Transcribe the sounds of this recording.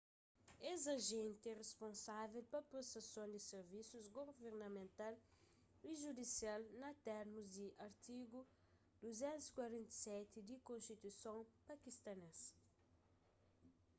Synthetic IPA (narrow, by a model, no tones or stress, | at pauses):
ezɐʒẽnt̪ɛrespõnsavelpɐpɾosɐsõnd̪iseɾvisuzɡoveɾnɐmẽnt̪al | iʒud̪isialnɐt̪ɛɾmuzd̪iʔɐɾt̪iɡu | d̪̥uzɛ̃nt̪uzi̥kwɐɾẽnt̪ɐ̥sɛt̪id̪ikõnst̪it̪usõŋpɐkist̪ɐnes